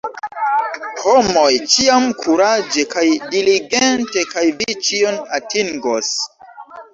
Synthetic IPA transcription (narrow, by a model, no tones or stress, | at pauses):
homo̞jt͡ʃiamkʰuɾad͡ʒekajdiliɡente̞kajvit͡ʃionatiŋɡos